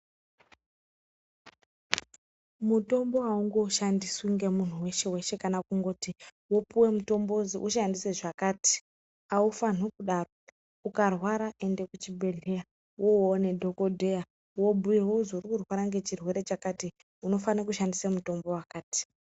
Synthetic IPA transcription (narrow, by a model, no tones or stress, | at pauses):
muto̞mbo̞ɦauŋɡo̞ʃandisuŋɡe̞mun̤uwe̞ʃe̞we̞ʃe̞kanakuŋɡo̞ːtiwopuwe̞muto̞mbo̞ziʔuʃandiseʐakaːti̥ | aufan̤ukuɗaro̞ | ukarwaɾaʔe̞nde̞kut͡ʃibʱe̞ɮea | woone̞dʱo̞ko̞dʱe̞ja | wo̞bʱujewouzourikurwaɾaŋɡe̞t͡ʃirwe̞ɾe̞t͡ʃakati | uno̞fanakuʃandisamuto̞mbo̞wakaːti̥